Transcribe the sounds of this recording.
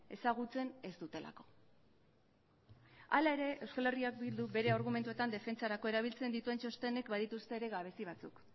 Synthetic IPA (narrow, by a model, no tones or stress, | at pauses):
e̞saɣ̞ut͡se̞ne̞zd̪ut̪e̞la̰ko̞̥ | alae̞ɾe̞ʔewskale̞riak̚bild̪ube̞ɾe̞aɾɣ̞ument̪ue̞t̪and̪e̞fe̞nt͡saɾakoe̞ɾaβilt͡se̞nd̪it̪ue̞nt͡ʃo̞st̪ene̞kbaðit̪ust̪e̞ːɾe̞ɣaβ̞e̞siβ̞at͡suk